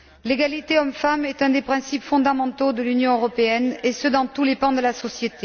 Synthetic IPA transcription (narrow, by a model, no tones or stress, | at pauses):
leɡalit̪eɔmfamɛt̪ɛ̃d̪epχɛ̃sipfɔ̃d̪amɑ̃t̪od̪əlynjɔ̃øʁɔpeɛnesød̪ɑ̃t̪ulepɑ̃d̪əlasɔsjet̪e